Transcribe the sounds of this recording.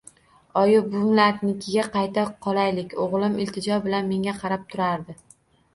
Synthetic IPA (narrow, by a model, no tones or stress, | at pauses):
ɒjʊbʊmlat̪nɪkʲʰɪɡʲaqʰɑjt̪ʰaqʰɒlˠajlɪkʲoʁlˠɪmɪlt̪ʰɪd͡ʒɒbɪlanme̞ŋʲaqʰɑɾap̚t̪ʰʊɾaɾd̪ɪ